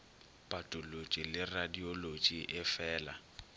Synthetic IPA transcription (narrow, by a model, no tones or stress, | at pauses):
pʼatʼʊlot͡ʃʼilɪradiolot͡ʃʼiʔɪfɛːla̰